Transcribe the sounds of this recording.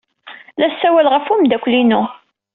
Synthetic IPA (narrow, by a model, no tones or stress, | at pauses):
læsːæwælʁəfumd̪ækʷːlinʊ